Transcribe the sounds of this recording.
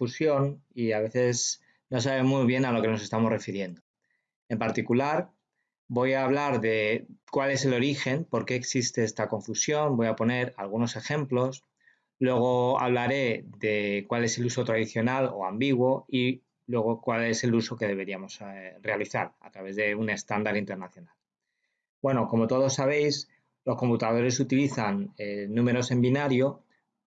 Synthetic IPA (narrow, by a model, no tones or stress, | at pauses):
fusjoniaβe̞θe̞s | no̞s̬aβemujβje̞nalo̞ke̞no̞se̞st̪amo̞zre̞fiɾje̞nd̪o | e̞mpaɾt̪ikulaɾ | bo̞jaːβ̞laɾðekwale̞se̞lo̞ɾixe̞mpo̞ɾke̞ːksist̪e̞est̪ako̞ɱfusjo̞nbo̞japo̞ne̞ɾalɣ̞uno̞se̞xe̞mplo̞s | lwe̞ɣ̞o̞a̰β̞laɾe̞ðe̞kwale̞se̞luso̞t̪ɾaðiθjo̞nalo̞̰ambiɣ̞wo̞i | lwe̞ɣo̞kwale̞se̞luso̞ke̞ð̞e̞β̞e̞ɾiamo̞sre̞aliθa̰ɾa̰t̪ɾaβ̞e̞zðe̞une̞st̪and̪aɾint̪e̞ɾnaθjo̞nal | bwe̞no̞ko̞mo̞t̪o̞ð̞o̞sːaβ̞e̞js | lo̞sko̞mput̪að̞o̞ɾe̞sut̪iliθanenũme̞ɾo̞se̞mbinaɾjo